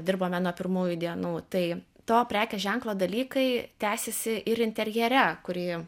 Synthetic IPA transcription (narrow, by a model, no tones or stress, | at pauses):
d̪ʲɪrboːmʲɛnuɔpʲɪrmuːjʊd̪ʲiɛnuːt̪ɐɪ | t̪oːpʲɾʲæːkʲɛʒʲɛŋklˠoːd̪ɐlʲiːkɐɪt̪ʲæːsʲɛsʲɪʔɪɾɪnʲt̪ʲɛɾʲjɛɾʲɛkʊɾʲiː